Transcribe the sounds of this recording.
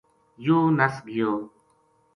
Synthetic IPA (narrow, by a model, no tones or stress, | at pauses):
juːnəsɡɪjoː